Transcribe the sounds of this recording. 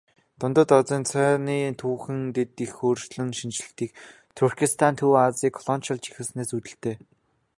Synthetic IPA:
t̪ʊnt̪ə̆t̪ɔt͡siːnt͡sʰœːniːt̪ʰuːxɘ̆ŋt̪et̪ixoːrʃɮɘ̆ŋʃint͡ɕɮɘ̆t̪iːk | t̪ʰurkʰist̪ʰant̪ʰuːat͡siːkʰːɔɮɔnt͡ɕə̆ɮt͡ɕi̥xɘ̆sneːsut̪ɘ̆ɬt̪eː

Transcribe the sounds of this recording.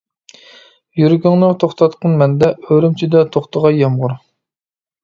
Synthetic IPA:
jyɾɡʲyŋnɨt̪ʰoχt̪ʰɑt̪qʰənmɛnd̪ɛʔøɾymt͡ʃʰid̪ɛt̪ʰoχt̪ʰəʁɑjɑmʁʊɾ

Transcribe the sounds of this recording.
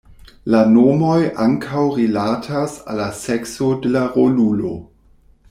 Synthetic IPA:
lanomoja̰ŋkʰawɾilatʰasa̰laseksodelaʁolulo̰

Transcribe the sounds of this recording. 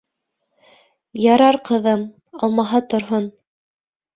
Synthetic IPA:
jɑɾɑɾqɤ̆ðɤm | ɑlˠmɑɦɑt̪ŏɾɦon

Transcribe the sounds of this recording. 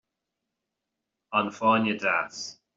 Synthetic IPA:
ə̃nfaːnjədas

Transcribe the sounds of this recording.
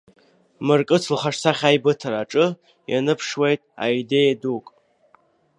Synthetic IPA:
mɨrkʼɨt͡sʰlχaʂsaχʲajbɨtʰaɾaʈ͡ʂʼɨ | ja̰nɨpʰʂwejtʼa̰jide̞jadukʼ

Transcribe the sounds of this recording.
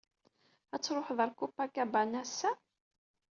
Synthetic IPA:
æt͡sːɾˤoħðəɾkupːakːæbanæsæ

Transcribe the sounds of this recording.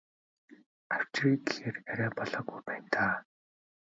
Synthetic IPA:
aw̥t͡ɕriːkexeːræɾʲæːpɔɮɔːɡujpæːnt̪ʰaː

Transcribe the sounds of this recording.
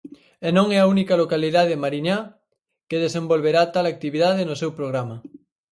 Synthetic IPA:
enõŋɛaunikalokaliðaðemaɾiɲa | keðesẽmbolβeɾat̪alak̚t̪iβiðaðenosewpɾoɣ̞ɾama

